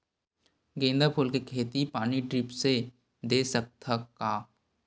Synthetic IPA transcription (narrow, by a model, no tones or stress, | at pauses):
ɡẽːnd̪apʰulkekʰeːt̪ipaːniɖɾɪpse | d̪eːsək̚t̪ʰəkaːp